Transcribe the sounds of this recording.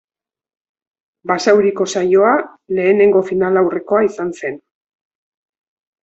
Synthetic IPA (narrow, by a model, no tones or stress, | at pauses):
basawɾiko̞sajo̞a | le̞ːne̞ŋɡo̞finalawre̞ko̞aisanse̞n